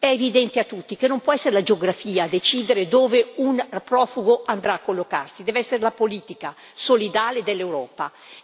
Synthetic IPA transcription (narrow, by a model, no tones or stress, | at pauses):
ɛevid̪ɛnt̪eat̪ːut̪ːikenompwɔɛsːeɾelad͡ʒeoɡɾafiːad̪et͡ʃiːd̪eɾed̪oːveunpɾɔːfuɡoʔand̪ɾaːkːolːokarsid̪ɛːveɛsːeɾelapoliːt̪ika | solid̪aːled̪elːewɾɔːpa